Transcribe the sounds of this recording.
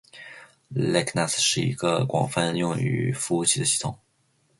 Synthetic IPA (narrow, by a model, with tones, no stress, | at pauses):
lɛ˥˩kʰna˥˩sʂɻ̩˥˩ḭ˧˥ɡ̥ə˧kwɑ̰˨˩ŋfa˥˧njʊ˥˧ŋy̰˨˩˥fu˥u˧˥˩t͡ɕʰi˥˩d̪ə˦ɕi˥˩t̪ʰʊ˨˩˦ŋ